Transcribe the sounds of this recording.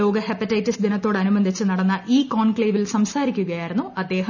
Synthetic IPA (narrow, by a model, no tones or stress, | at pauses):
o̞ːɡɐhɐpɐtːɐjtːisd̪inɐt̪ːo̞ːɽɐnumɐnd̪ʱit͡ɕːɨnɐɽɐnːɐʔiːkoːɳkɭeːʋilsɐmsaːɾikʲːuɣɐjaːjiɾunːuʔɐd̪ːe̞ːɦɐ